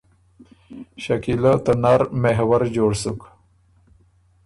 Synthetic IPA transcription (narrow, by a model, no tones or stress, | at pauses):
ʃakilat̪anaɾmeɦwaɾd͡ʑoːɽsuk